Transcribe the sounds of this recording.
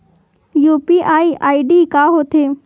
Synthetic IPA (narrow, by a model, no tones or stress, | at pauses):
juːpiːʔaːiʔaːiɖiːkaːɦoːt̪ʰeː